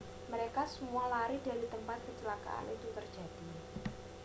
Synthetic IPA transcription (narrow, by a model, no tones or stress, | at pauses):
məɾekasəmualaɾid̥a̤ɾit̪əmpat̪̚kət͡ʃəlaka̰ʔa̰nit̪ut̪ərd͡ʒa̤d̥i̤